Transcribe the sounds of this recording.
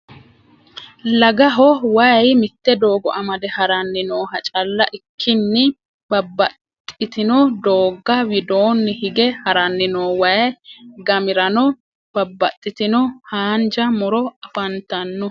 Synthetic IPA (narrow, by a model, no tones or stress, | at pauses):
lɐɡɐɦɔwɐjmɪt̪ːɛd̪oːɡɔ̰ʔɐmɐd̪ɛhɐɾɐnːɪnoːhɐt͡ʃʼɐlːɐʔɪkʰːɪnːɪ | bɐbːɐt̪ʼːɪt̪ɪnɔd̪oːɡːɐwɪd̪oːnːɪhɪɡɛhɐɾɐnːɪnoːwɐjɡɐmɪɾɐnɔ | b̥ɐbːɐt̪ʼːɪt̪ɪnɔhaːnd͡ʒɐmɔɾɔɐfɐnt̪ɐnːɔ